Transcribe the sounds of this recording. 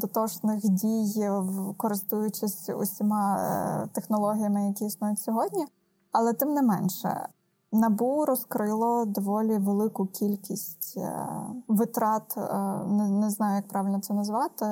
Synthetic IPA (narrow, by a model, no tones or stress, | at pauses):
d̪ɔt̪ɔʃnɪxdʲijwkɔɾɪst̪ujʊt͡ʃɪsʲʊ̰sʲimɑt̪exnɔlˠɔɦʲijɐmɪjɐkʲiisnɔjʊtʲsʲɔɦɔdʲnʲi | ɐlˠɛt̪ɪmnɪmɛnʃɛ̰ | nɐbuɾɔskɾɪlˠɔd̪ɔʋɔlʲiʋelˠɪkʊkʲʰilʲkʲisʲtʲ | ʋɪt̪ɾɑt̪nɛnɛznɑjʊjɐk̚pɾɑʋʲɪlʲnɔt̪sɛnɐzʋɑt̪ɪ